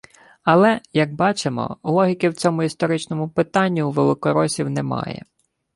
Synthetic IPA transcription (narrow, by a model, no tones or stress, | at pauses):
ɐlˠɛjɐɡ̚bɑt͡ʃemɔ̰lˠɔɦʲikɪwt͡sʲɔmʊist̪ɔɾɪt͡ʃnɔmʊpɪt̪ɑnʲːiuʋelˠɪkɔɾɔsʲiwnɛmɑ̰jɛ̰